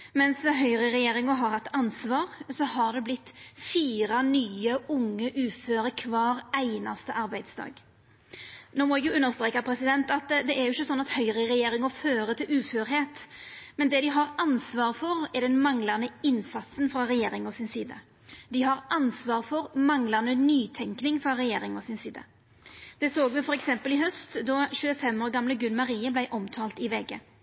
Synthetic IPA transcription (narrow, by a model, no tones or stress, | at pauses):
mɛnsɦœʏɾəʁɛjeːɾɪŋəɦɑɾɑt̪ːɑnsʋɑːʁsɔhɑʁd̪ɛblɪt̪ːfiːɾɑnyːəʊŋːəʔʉːføːɾəkʰʋɑːɾæɪnɑst̪əʔɑɾbæɪd̪sd̪ɑ̰ːɡ | noːmɔɛɡjʊʉnːəɾst̪ɾeːkɑpʰɾɛsɪd̪ɛnt̪ɑt̪d̪ɛæɾjʊɪçːəsɔnːɑt̪hœʏɾəɾɛjeːɾɪŋɔføːɾət̪ʰɪlʉːføːɾɦeːt̪mɛnd̪ɛd̪ɪɦɑɾɑnsʋɑːʁfɔɾɛɾd̪ɛnmɑŋlənəɪnsɑt̪sənfɾɑɾɛjeːɾɪŋɔsɪnsiːd̪ə̰ | d̪ɪɦɑɾʔɑnsʋɑːɾfɔɾmɑŋləʁnənyːt̪ʰɛŋknɪŋfɾɑɾɛjeːɾɪŋɔsɪnsiːd̪ə̰ | d̪̥ɛsoːɡmɛfɔɾɛksɛmpəlɪhœst̪d̪ɔɕʉːəfɛmːoːɾɡɑmləɡʉnmɑɾiːəblæɪʔɔmt̪ʰɑːlt̪ɪʋɛɡə̰